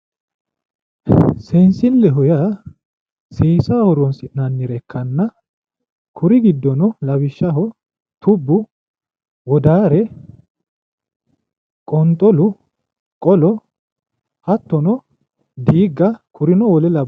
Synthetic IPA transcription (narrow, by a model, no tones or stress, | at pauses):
sɛnsɪlːɛɦɔja | siːsaːɔɾɔnsɪʔnɐnːɪɾɛkʰːɐnːɐ | kʰʊɾɪɡɪd̪ːɔnɔlɐβɪʃːɐɦɔ | t̪ʊbːʊ | wɔd̪aːɾɛ | kʼɔnt̪ʼɔlʊ | kʼɔlɔ | hɐt̪ːɔnɔ | d̪iːɡːɐkʰʊɾɪnɔwɔlɛlɐ